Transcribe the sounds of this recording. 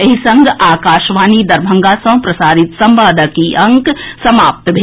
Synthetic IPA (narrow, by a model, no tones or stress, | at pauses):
ɐɦisɐ̃ŋɡaːkaːʃʋaːnid̪ɐɾbʱə̃ŋɡasɐ̃ɦpɾɐsaːɾit̪sɐ̃mbaːd̪əkiʔɐ̃ŋksɐmaːp̚t̪bʱe